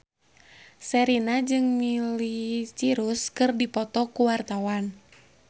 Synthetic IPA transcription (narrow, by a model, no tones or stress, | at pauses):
sɛɾinad͡ʒɨŋmilit͡ʃiɾuskɨrdipɔt̪ɔkuwart̪awan